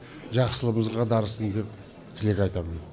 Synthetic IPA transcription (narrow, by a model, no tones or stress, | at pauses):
ʒɑqsəlˠəməzʁɑd̪ɑɾəsənd̪e̞p | t̪ʰɪle̞kʲɑjt̪ɑmən